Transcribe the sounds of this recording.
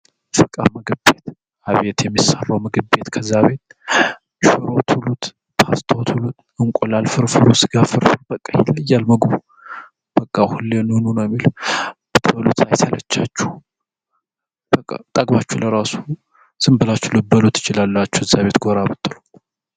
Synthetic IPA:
fɨkʼaməɡɨbe̞t̪ | aβet̪jɛmːisarːawməɡɨbet̪kʰəzːaβe̞t̪̚ | ʃɨɾo̞t̪hulut̪ | t̪ʰast̪ʰot̪hulut̪ | ɨŋkʷʼolalfɨɾfɨɾusɨɡafɨɾfɨɾbəkʼːajɪlːɨjːalməɡbu | b̥əkʼːahulːenɨnunəwjɛmːilb̥ɨt̪ʰəlṵt̪ajsələ̰t͡ʃːat͡ʃːu̥ | b̥əkʼːa̰t̪ʼaɡβat͡ʃːuləɾasu̥ | sɨmbɨlat͡ʃːuləbəlut̪ɪt͡ʃɪlalːat͡ʃːu̥ɨzːaβe̞t̪ɡoɾabət̪ʼːɨlu

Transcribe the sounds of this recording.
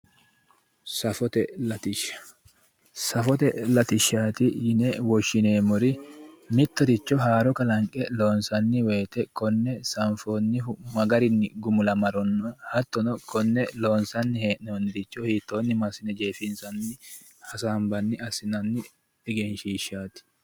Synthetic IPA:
sɐfɔt̪ɛlɐt̪ɪʃːɐ̥ | sɐfɔt̪ɛlɐt̪ɪʃːaːt̪ɪjɪnɛwɔʃːɪneːmɔɾɪmɪt̪ːɔd̪ɪt͡ʃːɔɦaːɾɔkɐlɐŋkʼːɛloːnsɐnːɪwe̞ːt̪ɛkɔnːɛsɐɱfoːnːɪmɐɡɐɾɪnːɪɡʊmʊlɐmɐɾɔnːɔhɐt̪ːɔnɔkʰɔnːɛloːnsɐnːɪheːʔnonːɪd̪ɪt͡ʃːɔhiːt̪ːoːnːɪmɐsɪnɛd͡ʒeːfɪnsɐnːɪ | hɐsaːmbɐnːɪɐsɪnɐnːɪ | ɛɡɛnʃiːʃːaːt̪ɪ̥

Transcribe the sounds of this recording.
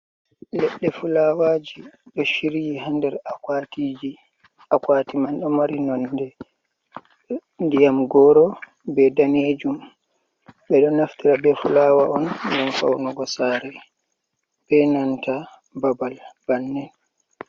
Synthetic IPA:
lɛɗːɛfulawad͡ʒiɗɔʃiɾijiɦandɛɾakatid͡ʒi | akwatimanɗɔmaɾinɔndɛ | ndijamɡɔːɾɔ | bɛdaned͡ʒum | ɓɛɗɔnaftiɾabɛfulawaɔndanfa̰wnɔɡɔsaːɾɛ | b̥ɛnanta | babalb̥anːɛn

